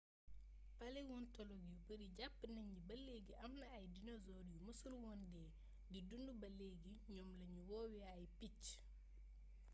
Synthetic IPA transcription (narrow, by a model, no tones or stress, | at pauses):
paliwɔntɔlɔɡijubəɾiɟapːnɐɲibɐlːeɡiʔɐmnɐːjdinɔzɔɾijumusulwɔndɛ | didundubɐlːeɡiɲɔmlɐɲuwɔːwiajpic